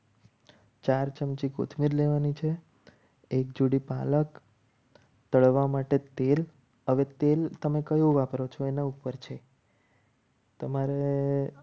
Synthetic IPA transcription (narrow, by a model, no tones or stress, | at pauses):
t͡ʃaɾt͡ʃəmt͡ʃikɡo̰t̪ʰmiɾleʋanit͡ʃʰeː | kd͡ʒuɽipalək | t̪əɭʋamaʈet̪el | ɦəʋet̪elt̪əmekəjũʋapəɾot͡ʃʰoenaupəɾt͡ʃʰe | t̪əmaɾe